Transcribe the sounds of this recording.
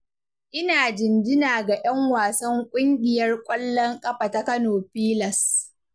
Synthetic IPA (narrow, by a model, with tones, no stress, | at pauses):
ʔɪ˦naː˨d͡ʒɪ˨nd͡ʒɪ˦naː˨ɡa˨jɐ˦ŋwaː˨sɐ˦ŋkʷʼʊ˦ŋɡʲɪ˨jɐ˦rkʷʼɐ˦lːɔ˦ŋkʼɐ˦ɸa˨ta˦kɐ˦noː˨ɸiː˦lɐ˨s